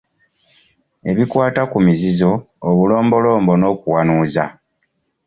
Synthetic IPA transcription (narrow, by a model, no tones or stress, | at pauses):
e̞βikwaːtakumizizo̞ː | βulo̞ːmbo̞lo̞ːmbo̞no̞ːkuwanuːza